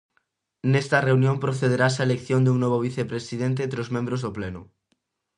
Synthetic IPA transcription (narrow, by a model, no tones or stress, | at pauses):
nɛst̪ɐreunjõmpɾoθeðeɾasɐaelekθjõnd̪uŋnoβoβ̞iθepɾesiðent̪ẽnt̪ɾɪozmẽmbɾozðoplenʊ̰